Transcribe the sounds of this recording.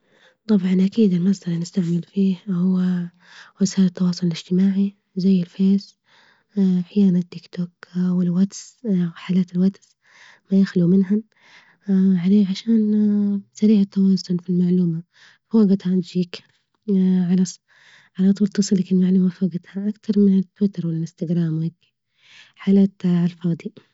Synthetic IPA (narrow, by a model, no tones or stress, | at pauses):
t̪ˤɑbʕɑnʔakiːd̪ɪlmazd̪ɑlinɪst̪aʕmɪlfiːhhʊwa | wɪsaːlɪt̪ːɑwɑːsˤʊlɪlɪd͡ʒt̪ɪmaːʕi | zajːɪlfeːz | ħjaːnat̪ːɪkt̪oːkwɪlwat̪sħaːlaːt̪ɪlwat̪s | majaxlumɪnɦa | ʕaleːʕaʃaːnbsaɾiːʕat̪ːawaːzːʊnfilmaʕluːma | foːɡɪt̪hand͡ʒiːk | ʕalɑs | ʕalat̪ˤuːlt̪ɨsˤɨlakɪlmaʕluːmafoːɡɪt̪haʔakt̪ɑɾˤmɪnɪt̪ːwɪt̪ɑɾˤwɪlɪnst̪aɡɾaːmwak | ħaːlaːt̪ʕalfɑːd̪ˤi